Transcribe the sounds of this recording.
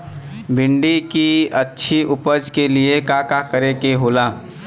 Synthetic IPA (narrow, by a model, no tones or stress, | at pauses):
bɪɳɖikiətːʃʰiʔʊpəd͡ʒkeliekaːkakəɾekeɦoːlaː